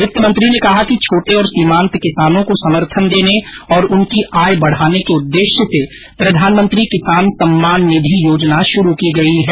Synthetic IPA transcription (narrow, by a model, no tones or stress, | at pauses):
ɪt̪ːəmə̃nt̪ɾinekɐɦakit͡ʃʰoːʈeɔːɾsiːmãːnt̪kɪsaːnõkosɐməɾt̪ʰənd̪eːne | ɔːɾʊnkiʔaːjbɐɽ̤aːnekeʊd̪ːeːʃjəse | pɾɐd̪ʱaːnmə̃nt̪ɾikɪsaːnsɐmːaːnːɪd̪ʱijoːd͡ʒnaʃʊɾukiɡɐiɦɛː